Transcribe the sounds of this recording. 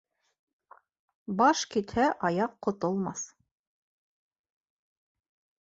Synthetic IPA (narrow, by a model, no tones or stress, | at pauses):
bɑʃkit̪hæʔɑjɑqːŏt̪ŏlˠmɑθ